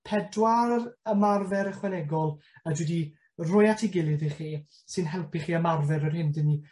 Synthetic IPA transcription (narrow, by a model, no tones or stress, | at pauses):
pʰɛdwarəmarvɛɾəχwɛnɛɡɔlˠadwɛdi | rʊjatʰiɡɪlˠɨðiχiː | sɨnɦɛlˠpiχiːəmarvɛɾərhɪndəni